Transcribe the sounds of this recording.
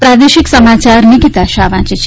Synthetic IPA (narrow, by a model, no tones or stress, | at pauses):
pɾad̪eʃiksəmat͡ʃaɾniɡit̪aʃaʋãt͡ʃit͡ʃʰ